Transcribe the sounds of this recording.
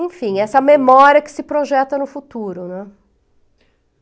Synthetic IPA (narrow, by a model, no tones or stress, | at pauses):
ẽfĩɛsɐmemɔɾiɐkɪ̥sɪpɾoʒɛt̪ɐnʊfut̪uɾʊnɛ̃